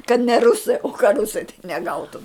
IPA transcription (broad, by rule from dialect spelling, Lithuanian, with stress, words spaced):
kɐt nʲɛ ˈrʊsɐɪ oː kɐ ˈrʊsɐɪ tɐɪ nʲɛˈɡɐʊtʊm